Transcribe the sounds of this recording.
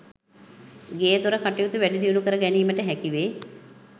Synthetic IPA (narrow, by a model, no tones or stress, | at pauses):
ɡeːd̪uɾəkaʈijut̪uʋæɖid̪iunukəɾəɡæniːməʈəɦɛkiʋeː